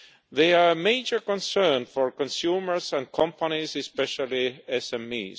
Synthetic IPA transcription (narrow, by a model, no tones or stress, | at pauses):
ðeameɪd͡ʒə˞kɔ̃nsɜ˞nfɔɹkɔ̃nsjuːmə˞zæ̃n̚kʰɑ̃mpanizɨspɛʃalˠiɛsɛ̃mḭːz